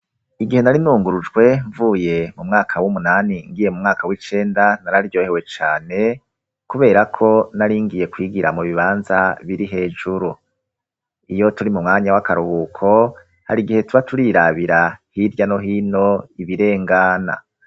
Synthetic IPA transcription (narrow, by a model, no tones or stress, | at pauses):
iɡihe̞naɾinuːŋɡuɾud͡ʒɡwe̞ɱvuːje̞mumŋaːkʰawumunaːniŋɡije̞mumŋaːkawit͡ʃe̞ːndanaɾaɾiɾjo̞ːhewe̞t͡ʃaːne̞ | kuβe̞ːɾakʰo̞naɾiːŋɡije̞kwiːɡiɾa̰muβiβaːnzaβiɾiɦe̞ːd͡ʒuɾu | ijo̞tuɾimumŋaːɲawakaɾuhukʰo̞ | ha̰ɾiɡihe̞tuβatuɾiːɾaβiɾahiɾɟano̞ɦiːno̞iβiɾe̞ːŋɡana̰